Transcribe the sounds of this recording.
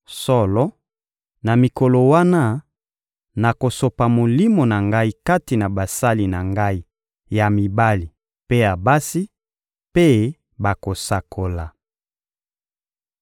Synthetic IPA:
sɔ˦lɔ˦ | na˨mi˨ko˨lo˨wa˦na˦ | na˨ko˨so˨pa˨mo˨li˦mo˨na˨ŋɡa˦i˦ka˦ti˨na˨ba˨sa˦li˨na˨ŋɡa˦i˦ | ja˨mi˨ba˦li˨ | pe˦ja˨ba˦si˦ | pe˦ | ba˨ko˨sa˨kʰo˨la˨

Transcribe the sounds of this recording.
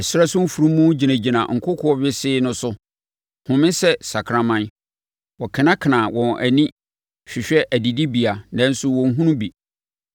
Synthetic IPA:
ɛ˨sʊ˦a˦sʊ̃˦m̩˦fu˨ɾũ˦mũ˦d͡ʑi˨næ̃˨d͡ʑi˨nã̰˨ŋ̩˨kʰʊ˦kʰʊ˨˦ɔ˦ɥɪ˦sɪː˦nʊ̃˦sʊ˦ | hʊ̃˨mɪ̃˦sɛ˦sa˨kʰɾã˦mã˦n | wɔ˨kʰɪ̃˨nã˦kʰɪ˨nã˨wʔɔ̃˨ʔæ˨nĩ˦ | ɕᶣɪ˨ɕᶣɛ˦ʔæ˨di˨di˦bi˨a˨nɛ̃˦n̩˦sʊ˦wɔ̃˨ŋ̩˦ɦũ˦nũ˦bi˨

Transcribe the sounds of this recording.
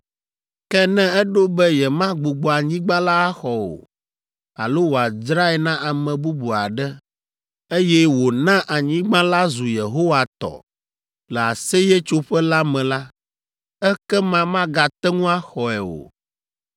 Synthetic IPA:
kɛ˦nɛ̃˦ɛ˦ɖo˦bɛ˦jɛ˨mã˦ɡ͡bu˨ɡ͡bɔ˨a˨ɲĩ˦ɡ͡bã˦la˦a˦xɔ˨wo̰˨ | a̰˨lo˦wo˨a˨d͡ʒɾa˦ɛ˨nã˦ʔa˨mɛ̃˨bu˦bu˨a̰˨ɖɛ˦ | e˦jɛ˦wo˨nã˦ʔa˨ɲĩ˦ɡ͡bã˦la˦zu˨je˨ɦo˦wa˨t̪ɔ̰˨ | lɛ˨a˨sɛ˦jɛ˦t͡ʃo˦ɸɛ˦la˦mɛ̃˨la˦ | ɛ˦kɛ˦mã˦mã˦ɡa˨t̪ɛ˦ŋũ˦a˦xɔ˨ɛ˨o̰˨

